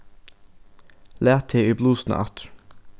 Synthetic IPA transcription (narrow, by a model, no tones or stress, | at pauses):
læːt̪ʰeːiːbluːsn̩̰ʔɑ̰t̪